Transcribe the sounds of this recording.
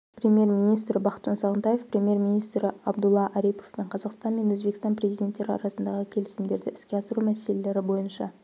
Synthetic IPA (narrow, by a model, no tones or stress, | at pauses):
pɾʲemʲije̞rmijnijst̪ɾɪbɑqət̪ʒ̥ɑnsɑʁənt̪ɑjefpɾʲemʲje̞rminijst̪ɾɪɑbd̪ulˠːɑʔæɾijpo̞fpe̞ɴqʰɑzɑqst̪ɑnme̞nwɵzbekʲɪst̪ɑnpɾʲe̞zijd̪ʲe̞nt̪ːeɾɪɑ̰ɾɑsənd̪ɑʁəkʲʰe̞lɪsɪmd̪e̞ɾd̪ɪʔɪ̥skʲe̞ɑsəɾumæse̞lele̞ɾɪbo̞jənʃɑ